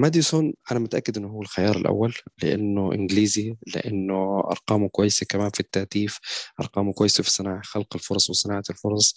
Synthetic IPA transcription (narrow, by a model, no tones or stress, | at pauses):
mad̪isonʔanamʊt̪ʔakːɪd̪ʔɪnːʊhuːalxajɑːɾˤɪ̰lʔa̰wːalːɪ̰ʔa̰nːʊʔɪ̰nɡliːzilɪ̰ʔanːʊʔɑ̰ɾˤqɑːmukwajːɪsakamaːnfit̪ːaːt̪iːfʔɑ̰ɾˤqɑːmukwajːɪsafi̥sˤɪnaːʕaxalqalfʊɾˤɑsˤwɪsˤɪnaːʕalfʊɾˤɑsˤ